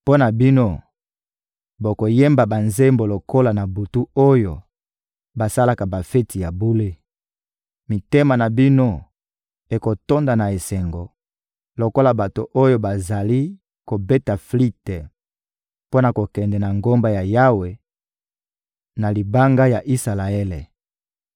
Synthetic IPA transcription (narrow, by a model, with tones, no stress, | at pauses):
po˦na˨bi˦no˦ | bo˨ko˨je˦mba˨ba˨nze˦mbo˨lo˨ko˦la˨na˨bu˨tu˦o˦jo̰˨ | ba˨sa˦la˦ka˨ba˨fe˦ti˨ja˨bu˦le˦ | mi˨te˦ma˨na˨bi˦no˦ | e˨ko˨to˦nda˨na˨e˨sɛ˨ŋɡo˨ | lo˨ko˦la˨ba˨to˨ʔo˦jo˦ba˨za˨li˦ | ko˨bɛ˦ta˨fli˦tɛ˨ | po˦na˨ko˨kɛ˨ndɛ˨na˨ŋɡo˦mba˦ja˨ja˦we˨ | na˨li˨ba˦ŋɡa˦ja˨ʔi˦sa˨la˨ɛ˦le˨